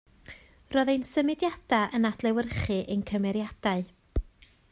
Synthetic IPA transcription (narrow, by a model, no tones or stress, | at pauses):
rɔːðejnsəmɪdjad̥aʔənad̥lˠɛwərχɨʔejnkʰəmɛɾjad̥aɨ